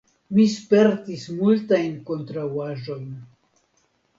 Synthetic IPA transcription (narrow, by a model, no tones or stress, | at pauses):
mispe̞ɾtismultajnko̞ntɾawaʒo̞jn